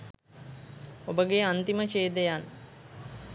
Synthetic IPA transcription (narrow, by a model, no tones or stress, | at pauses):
obəɡeant̪imət͡ʃeːd̪ejan